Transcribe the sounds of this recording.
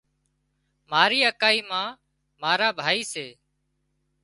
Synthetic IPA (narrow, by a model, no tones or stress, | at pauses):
maːɾiːəkaːiːmãː | maːɾaːbʱaːiːseː